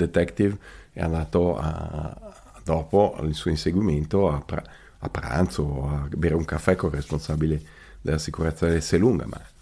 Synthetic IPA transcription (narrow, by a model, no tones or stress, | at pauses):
d̪et̪ɛkt̪ivɛ̰a̰naːt̪oa̰ | d̪ɔːpoisuoĩnseɡwiment̪oapɾ | a̰pːɾa̰nt̪soabeɾeuŋkafːɛkoresponsabile | d̪elasikuɾɛt̪sːaɛseluŋɡa̰mʔa̰